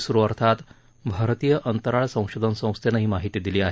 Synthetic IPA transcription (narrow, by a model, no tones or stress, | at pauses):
suɾuʋəɾt̪ʰat̪ | bʱaɾt̪ijəʔənt̪əɾaɭsə̃w̃ɕod̪ʱənsə̃w̃st̪ʰenaɦiːmaɦit̪iːd̪iliːaɦe